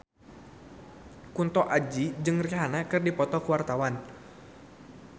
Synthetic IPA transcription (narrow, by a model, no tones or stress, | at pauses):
kunt̪ɔʔad͡ʒid͡ʒɨŋriɦanakɨrdipɔt̪ɔkuwart̪awan